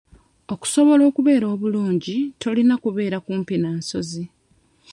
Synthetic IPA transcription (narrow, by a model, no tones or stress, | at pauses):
o̞ku̥so̞βo̞lo̞ːkuβe̞ːɾo̞ːβuluːɲɟitʰo̞linakuβe̞ːɾakuːmpinaːnso̞zi